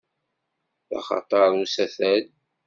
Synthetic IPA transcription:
θɑ̰χɑ̰t̪ˤɑɾˤusæθæl

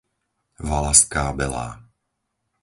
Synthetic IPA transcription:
valaskaːbɛla̰ː

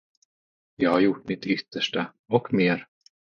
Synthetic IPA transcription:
jɑːɡhaɾjʊʈːmɪt̪ʏt̪ʰːəʂʈa | ɔkmeːɾ

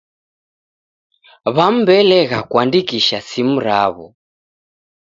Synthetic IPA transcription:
βam̩bɛlɛɣakwandikiʃasimuɾaβɔ̰

